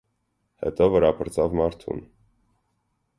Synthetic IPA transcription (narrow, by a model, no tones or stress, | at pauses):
hɛ̰t̪ɔvəɾɑpʰəɾt͡sɑvmɑɾt̪ʰṵn